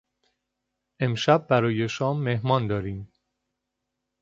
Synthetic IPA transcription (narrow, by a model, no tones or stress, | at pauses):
ʔe̞mʃæb̚ːæɾɒːje̞ʃɒːmːehmɒːnd̪ɒːɾiːm